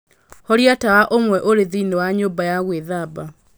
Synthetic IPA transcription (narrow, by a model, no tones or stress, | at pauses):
hɔɾjatawaʔomwɛʔoɾeðinewaɲoːbajaɣweðaba